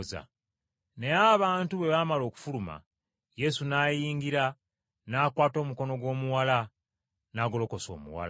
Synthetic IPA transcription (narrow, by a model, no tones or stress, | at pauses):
za̰ | ne̞aβaːntuβe̞βamalo̞ːku̥fuluma̰ | je̞sunaːjiːŋɡiɾa | naːkwaːto̞ːmuko̞no̞ɡwo̞ːmuwala | naːɡo̞lo̞ko̞so̞̰ːmṵwa̰l